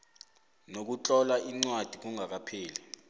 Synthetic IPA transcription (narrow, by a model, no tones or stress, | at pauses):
nok̬ut͡ɬʼɔlaʔiŋ͡ǀwad̥ʱik̬uŋʱak̬ʼapʰiːlɛ